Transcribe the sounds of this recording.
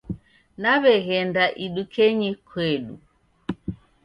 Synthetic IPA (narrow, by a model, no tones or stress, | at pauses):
naβɛɣɛndaʔiɗukʰɛɲikʰwɛɗṵ